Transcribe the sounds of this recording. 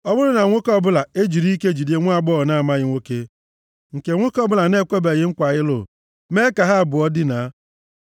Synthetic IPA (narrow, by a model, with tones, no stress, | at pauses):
ɔ˦bʊ˦ɾʊ˦na˨ŋʷo˦kɔ˦bʊ˦la˨e˦d͡ʒi˨ɾi˦ke˦d͡ʒi˨de˦ŋʷ˦a˦˨ɡ͡bɔ˦˨na˦a˨ma˦ɣɪ˦ŋʷo˦ke˦ | ŋ̩˨ke˨ŋʷo˦kɔ˦bʊ˦la˨ne˦˨kʷe˦ba˨ɣɪ˦ŋ̩˦kʷa˨ɣɪ˦lʊ̰˨ | me˦ka˨ɦa˦˨bʊ˨ɔ˦dɪ˦na˨˦